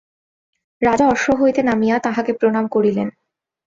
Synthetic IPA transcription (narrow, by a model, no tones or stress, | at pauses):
ɾad͡ʑaɔɾʃoɦojt̪enamijat̪aɦakepɾonamkoɾilen